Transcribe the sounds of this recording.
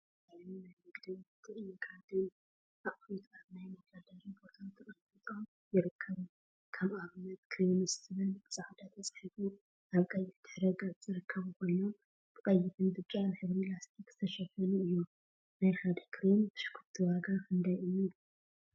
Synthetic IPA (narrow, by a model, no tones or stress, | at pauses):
alnunajmɨɡd̪ɨβɨt̪ʰɨʔɨjukʰʼad̪ɨn | ʔaχʼɾut̪ʰaβnajmɐkɐd̪ɐɾibo̞t̪ʰat̪ʰɨχʼɐlfɨt̪ʼom | jɪɾɨkʰːɐβ | kʰaβaβɨnɐt̪kʰɾinɨst̪ʰɨβɨnbɨsʼaħd̪ɐt̪ʰɐt͡sʼħifu | ʔaβkʼɐjɪft̪ʰɨ̥ħɾɐɡazɨɾɨkʰːɐβkʷʰo̞jnom | b̥ɨχʼɐjːɪt̪ʰɨnd̪ɨt͡ʃʼːanɨħɨβɾilast̪ʰikʰz̥ɨ̥t̪ʰɐʃɐfɐnuɨjːu | najxad̪ɐkʰɾintʰɨ̥ʃkʰuɾt̪ʰɨwaɡakʰɨnd̪ajɨju